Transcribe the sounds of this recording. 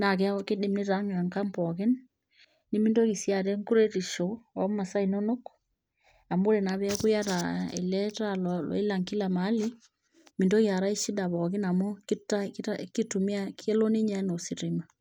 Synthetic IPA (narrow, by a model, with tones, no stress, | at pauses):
na˨kɛ˦a˦ke˦de˨mne˦ta˦ŋa˨ŋka˦mpɔ˨ke˦n | ni˦mi˦ndo˦ki˨sja˨ɾɛ˦ŋku˦ɾe˦ti˨ʃo˨ɔ˨˦ma˨sa˦i˨no˦no˦k | a˨mo˦ɾe˨na˨βɛ˦a˦ku˦ja˦ɾa˨ḛ˨lɛ˦ta˦lɔlɔ̰˨e˦la˨ŋki˦la˨ma˨˦li˦ | mi˨ndo˦kja˨ɾa˦i˦ʃi˦da˨βɔ˨ke˦na˨mo˦ki˦ta˦kaki˦tu˨mi˦a˦ke˦lo˦ne˦ɲa˦no˨si˨ɾi˨ma˨